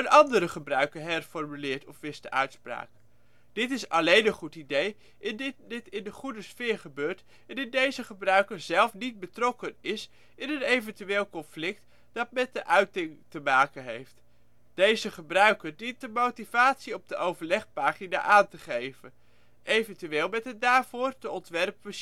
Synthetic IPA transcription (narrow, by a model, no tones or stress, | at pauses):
ənɑndəɾəχəbrœɥkəɹɦɛrfɔɹmylɪːɹtɔfʋɪstəʔœɥtspra̰ːk̚ | d̥ɪtɪsɑlejnənχutidej | ʔɪndɪdɪtɪndəχudəsfɪːɹχəbøːɹt | ɛnɪndejzəχəbrœɥkəɹzɛlˠfnit̚bətrɔkənɪs | ɪnənejvəntyʋeːlˠkɔnflɪk̚t | d̥ɑtmɛt̚dəʔœɥtɪŋtəmaːkənɦejft | d̥ejzəχəbrœɥkəɹdintdəmowtivaːtsiɔb̚dəʔowvəɹlɛχpaːχina̰ːʔaːntəχejvən | ejvəntyʋeːlˠmɛtəndaːɹv̥ʊːɹdəɔntʋɛrp̚ə